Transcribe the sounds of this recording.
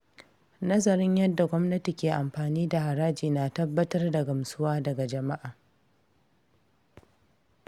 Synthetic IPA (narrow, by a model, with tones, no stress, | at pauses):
nɐ˦zɐ˨ɾɪ˦ɲjɐ˦dːa˨ɡʷɔ˦mnɐ˦ti˨kʲeː˨ʔa˨mɸaː˨niː˦da˨ha˨ɾaː˦d͡ʒiː˨naː˨tɐ˦bːɐ˦tɐ˦rdɐ˨ɡɐ˨msʊ˦waː˦dɐ˨ɡa˨d͡ʒɐ˨ma˦ʔaː˨